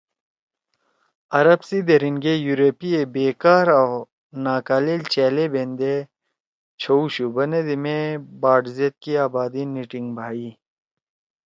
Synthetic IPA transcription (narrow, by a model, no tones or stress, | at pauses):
ɐɾɐbsid̪eɾiŋɡejuɾopiebeːkaːɾaw | naːkaːleːlt͡ɕeːlebend̪e | t͡ɕʰouɕubɐned̪imebaːɖzet̪̚kiaːbaːd̪iniʈiŋɡbʱaːi